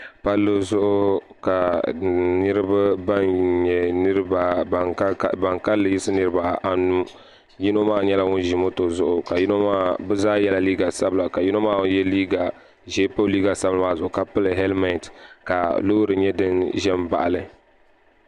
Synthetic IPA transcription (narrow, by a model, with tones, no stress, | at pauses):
pa˦lːɨ˦zʊ˦ʔʊ˦ | ka˨ | nɨ˦ɾɨ˦ba˦ba˦nɲɛ˨nɨ˦ɾɨ˦ba˨˦ | ba˨ŋka˦lːɨ˨jɪ˦sɨ˦nɨ˦ɾɨ˦ba˨a˨nu˦ | ji˦no˦maː˦ɲɛ˦la˦ŋʊ˦n˦ʒɪ˨mo˦to˨zʊ˨ʔʊ˨ka˨ji˦no˦maː˦bɛ˦zaː˦jɛ˦la˨˦liː˦ɡa˨sa˦bla˨ka˨ji˦no˦maː˦wjɛ˦liː˦ɡa˨ | ʒe˦po˦liː˦ɡa˨sa˦bɨ˨˦aː˦˨zʊ˨ʔʊ˨ka˨pɨ˦lɨ˨ɦɛ˦lma˦n˨tka˨lo˦ɾɨ˨ɲɛ˦dɨ˦nʒɛ˦mba̰˨ʔa˨lɨ˨